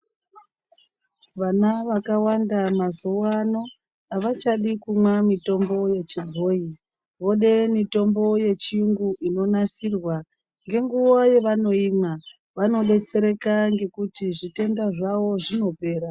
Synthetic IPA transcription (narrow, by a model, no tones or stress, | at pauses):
ʋanaʋakawandamazuwano̞ | aʋat͡ʃaɗikumwamito̞mbo̞je̞t͡ʃibʱoːi | ʋo̞ɗe̞mito̞mbo̞je̞t͡ʃiuŋɡuʔino̞nasirwa | ŋɡe̞ŋɡuwoje̞ʋano̞iːma | ʋano̞ɓe̞t͡se̞ɾe̞kaŋɡe̞kutiʐite̞ndaʐaʋo̞ʐino̞pe̞ːɾa